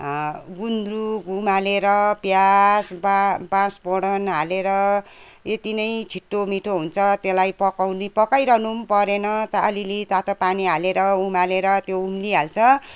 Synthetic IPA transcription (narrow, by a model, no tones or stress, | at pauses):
ɡund̪ruɡumaleɾʌpjasbabãsboɽʌnɦaleɾʌ | et̪inʌjt͡sʰiʈːomiʈʰoɦunt͡sʰʌt̪elajpʌkawnipʌkajɾʌnumpʌɾenʌt̪ʌʔːlilit̪at̪opaniɦaleɾʌumaleɾʌt̪joumliɦalt͡sʰʌ